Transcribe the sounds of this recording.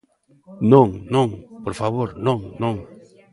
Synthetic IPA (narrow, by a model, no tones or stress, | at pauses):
nõŋnõŋpoɾfaβoɾnõŋnõŋ